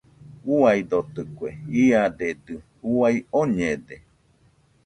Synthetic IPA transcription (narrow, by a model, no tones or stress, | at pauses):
uajd̪ot̪ɯkʷeiad̪ed̪ɨ | uajoɲed̪e